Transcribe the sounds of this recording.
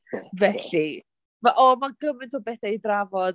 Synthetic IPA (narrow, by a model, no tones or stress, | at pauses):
vɛɬi | maʔɔmaɡəmɨntʰɔːbɛːθajdravɔd